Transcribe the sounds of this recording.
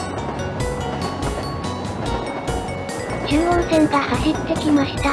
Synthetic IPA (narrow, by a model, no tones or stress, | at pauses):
d͡ʑɨːõñsẽ̞nt̪aːhaɕit̪ːe̞kʲimaɕi̥t̪a